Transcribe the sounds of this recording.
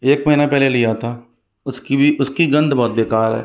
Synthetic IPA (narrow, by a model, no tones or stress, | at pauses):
eːkməɦinapɛːlelɪjat̪ʰaː | ʊskiiʊskiɡə̃nd̪bɔːt̪̚beːkaːɾɦɛ̰ː